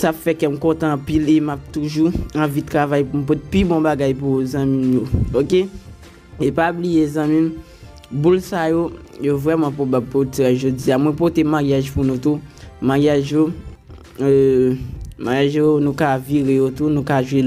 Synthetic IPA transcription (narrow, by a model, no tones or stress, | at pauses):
sapfɛkɛm̩kɔ̃t̪ãːpilemap̚t̪uʒuɐ̃vit̪ʁavajpum̩p̬ɔt̪pibɔ̃baɡajp̬uzãmĩmjooke | epablijezãmĩm | bulsajojovʁɛmɑ̃pʁobab̚potɛʒod͡ziamwɛ̃pot̪emaʁjaʒpunũt̪umajaʒjo | ø | majaʒjonũkaviɣejot̪unũkaʒwe